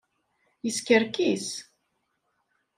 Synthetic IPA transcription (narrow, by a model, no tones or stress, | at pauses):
jəskəɾkis